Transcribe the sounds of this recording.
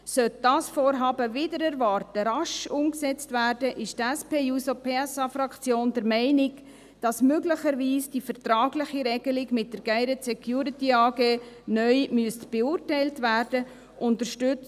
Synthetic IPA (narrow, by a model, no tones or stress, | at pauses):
sœt̚d̥ɑːsfɔːɾɦɑːbəvɪdəɾɛɾvɑrtəɾɑʃʊmksɛt͡stvæːrdəʔɪʃtæspeːuːsopʰeːɛsɑfɾɑkt͡sjoːndɛɾmɛɪnɪɡ | d̥ɑsmøɡləχəɾʋiːsd̥ifəɾtɾɑːɡlɪχiɾɛɡəlɪɡmɪt̚d̥əɾɡ̥æɪɾɛtsɛkʰjuːɾitiɑːɡeːnœʏmyəstb̥eʊrtɛɪltvæːrd̥ə | ʔʊntəɾʃtʏt͡s